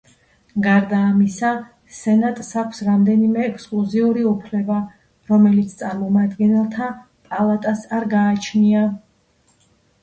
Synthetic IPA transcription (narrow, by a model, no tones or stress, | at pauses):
ɡaɾd̪aːmisa | sɛnat̪ʼsakʷʰsɾamd̪ɛnimɛːkʰskʼlˠuziuɾiupʰlɛba | ɾɔmɛlit̪sʰt̪sʼaɾmɔmad̪ɡɛnɛlˠt̪ʰa | pʼalˠat̪ʼasaɾɡaːt͡ʃʰnia